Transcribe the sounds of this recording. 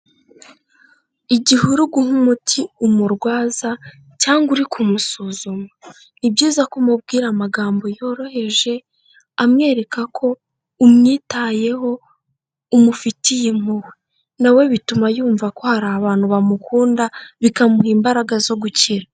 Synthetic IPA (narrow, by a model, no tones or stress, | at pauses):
iɟihuɾuɡuhumutʰiumuɾɡwaːza | caːŋɡuɾikʰumusuzuma | nibɟiːzakumub̚ɡiːɾamaɡaːmbo̞jo̞ːɾo̞he̞ʒe̞ | amŋe̞ːɾe̞kakʰo̞ | umŋiːtaːje̞ɦo̞ | umufitijemuwe | nawe̞βitumajuːɱvako̞haɾaːβaːn̥huβamukʰuːndaβikamuhiːmbaɾaɡazo̞ɡuciɾa